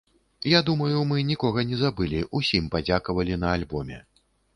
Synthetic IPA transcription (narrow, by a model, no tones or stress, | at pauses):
jad̪umɐjumɨnʲikɔɣɐnʲɛzabɨlʲiʔusʲimpad͡zʲakɐvɐlʲinɐalʲbɔmʲɛ̰